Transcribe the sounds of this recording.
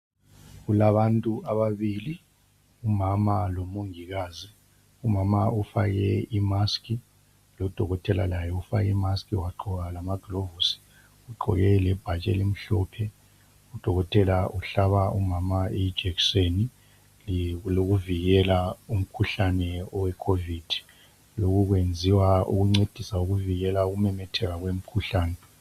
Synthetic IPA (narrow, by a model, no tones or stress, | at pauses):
ɣulaβantʼuaβaβili | umamalomoŋiɣaːzi | umamaufaɣɛimaskʰʼi | lɔd̥ʱɔɣɔtʰɛla̰lajɛufa̰kɛmaskʰʼiwaǃɔɣalamaɡ̥ʱlovusi̥ | uǃʱɔ̰ɣɛlɛb̥ʱat͡ʃʼɛ̰lem̩ɬɔpʰɛ | ud̥ʱɔɣɔtʰʼɛlaʔuɬaβaumamaeid̥d͡ʒ̥ʱɛkseni | lloɣuviɣɛlaum̩kʰuɬanɛɔwɛkʰovid̥ʱi̥ | loɣuɣwend͡zʱiwaṵɣuŋ͡ǀed̥ʱisauɣuviɣɛlauɣumɛmɛtʰɛɣaɣwem̩kʰuɬaːnɛ